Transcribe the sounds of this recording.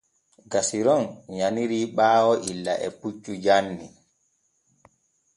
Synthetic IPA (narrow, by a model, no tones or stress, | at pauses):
ɡasiɾɔnɲaniɾiːɓaːwɔʔilːaʔɛput͡ʃʼːud͡ʒanːi